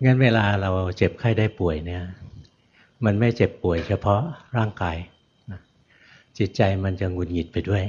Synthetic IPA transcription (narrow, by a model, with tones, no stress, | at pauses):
ŋa˦˥nweː˧laː˧ɾa˧wt͡ɕe˨˩p̚kʰaː˥˩jdaː˥˩jpu˨˩əjni˥˩ɐ | ma˧nma˥˩jt͡ɕe˨˩pːu˨˩əjt͡ɕʰa˧pʰɔ˦˥ɾaː˥˩ŋkaː˧j | na˦˥ | t͡ɕi˨˩t̪̚t͡ɕa˧jma˧nt͡ɕa˨˩ŋu˧nŋi˨˩t̪̚pa˧jdu˥˩əj